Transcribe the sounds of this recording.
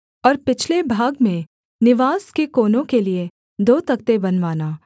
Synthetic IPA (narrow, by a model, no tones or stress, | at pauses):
ɔːɾpɪt͡ʃʰlebʱaːɡmẽ | nɪʋaːskekoːnõkelie | d̪oːt̪ɐk̚t̪ebɐnʋaːnaː